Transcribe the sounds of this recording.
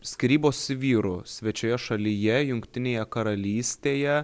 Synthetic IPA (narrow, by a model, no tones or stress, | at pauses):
sʲkʲɪɾʲiːboːsʋʲiːɾʊsʲʋʲɛt͡ʃʲoːjɛʃɐlʲɪjɛjʊŋkt̪ʲɪnʲeːjɛkɐɾɐlʲiːsʲt̪ʲeːjɛ